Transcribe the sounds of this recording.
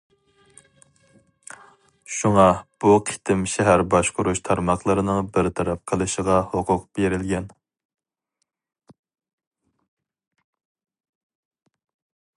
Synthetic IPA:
ʃuŋɑb̥uqʰi̥t̪ʰɪmʃɛɦæɾbɑʃqʰʊɾuʃt̪ʰɑɾmɑχlˠəɾɨnɨŋbɪɾt̪ʰɑɾɑp̚qʰəlˠɨʃəʁɑhoqʰʊqb̥eɾɪlɡʲɛn

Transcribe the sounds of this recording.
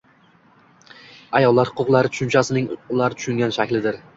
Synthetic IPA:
ajɒlˠːaɾhʊqʰʊqlˠaɾɪt̪ʰʊ̥ʃʊnt͡ʃʰasɪnɪŋʊlˠaɾɪt̪ʰʊ̥ʃʊŋɡʲanʃakʲlɪd̪ɪɾ

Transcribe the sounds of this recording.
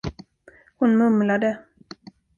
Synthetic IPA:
hʊnmɵmlad̪ə

